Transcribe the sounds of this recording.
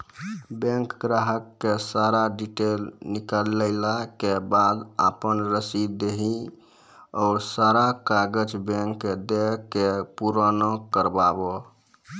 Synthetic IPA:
bẽŋkɡɾaɦəkːesaɾaɖiʈelnikaləɪlakebad̪apənɾəsieɦi | ɔsaɾakaɡəd͡ʒbeŋkːed̪ekepuɾanokəɾbabo

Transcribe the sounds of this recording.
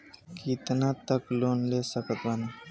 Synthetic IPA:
kit̪nat̪əkloːnleːsəkət̪ʋaːnaː

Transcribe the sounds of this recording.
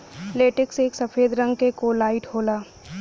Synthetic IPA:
leːʈɪkseːksɐpʰeːd̪ɾə̃ŋɡkekolaːɪʈɦoːlaː

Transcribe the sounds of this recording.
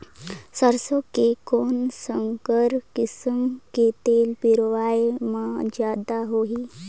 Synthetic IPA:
səɾsɔkekonsəŋkəɾkisəmket̪elpiɾʋajmad͡ʑjad̪aɦoɦi

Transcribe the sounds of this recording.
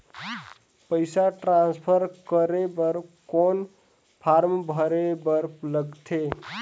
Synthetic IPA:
pəɪsaʈɾãnspʰəɾkəɾebəɾkon | pʰaɾmbʱəɾebəɾpləɡt̪ʰe

